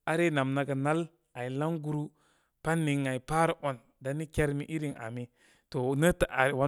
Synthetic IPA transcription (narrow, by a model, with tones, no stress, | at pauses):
a˦ɾe˦na˨mna˨ɡa˨na˦l | a˨i˨la˦ŋɡu˦ɾu˦ | pa˦nːi˨ŋːa˨i˨pa˦ɾa˦ʔo˨n | da˦ni˦ke˦ɾmi˦ʔi˦ɾi˨ŋa̰˨mi˨ | to˨nə˦ta˨a˨wa˦